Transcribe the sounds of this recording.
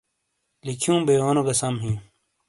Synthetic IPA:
likʰjũːbeoːnoɡɐsɐmɦĩː

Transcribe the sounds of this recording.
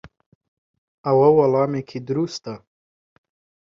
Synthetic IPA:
awawalɑːmekʰid̪ɾust̪a

